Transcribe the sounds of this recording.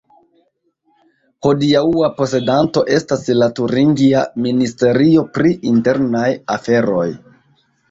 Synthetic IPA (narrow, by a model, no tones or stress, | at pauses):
ho̞diauapo̞se̞danto̞ʔe̞staslatuɾiŋɡiaministe̞ɾio̞pɾiinte̞ɾnajafe̞ɾo̞j